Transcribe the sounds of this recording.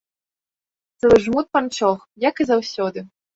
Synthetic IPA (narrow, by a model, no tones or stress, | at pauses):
t̪sɛlˠɨʐmut̪̚pant͡ʂɔxjɐkɨzawsʲɔd̪ɨ